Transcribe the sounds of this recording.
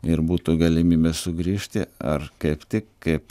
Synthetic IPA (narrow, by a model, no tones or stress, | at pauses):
ɪɾbuːt̪uɡɐlʲɪmʲiːbʲeːssʊɡɾʲiːʃʲt̪ʲɪɐ̰rkɐɪpt̪ʲɪkkɐɪp